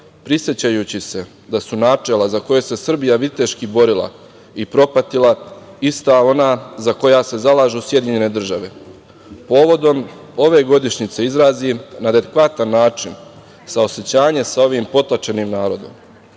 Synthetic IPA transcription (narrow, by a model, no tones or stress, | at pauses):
pɾisje̞t͡ɕajut͡ɕise̞ | d̪asunaːt͡ʃe̞lazako̞jese̞sr̩bijaʋit̪e̞ʃkibo̞ɾilˠa̰ | ipɾo̞pat̪ilˠaist̪ao̞naːzako̞jaːse̞zalaːʒusje̞d̪iɲe̞ne̞d̪r̩ʒaʋe̞ | po̞ːʋo̞d̪o̞m | o̞ʋe̞ɡo̞d̪iʃɲit̪se̞izɾaːzinad̪ed̪ekʋat̪anːaːt͡ʃin | sao̞se̞t͡ɕaːɲe̞sao̞ʋiːmpo̞t̪lˠat͡ʃe̞nimnaːɾo̞d̪o̞̰m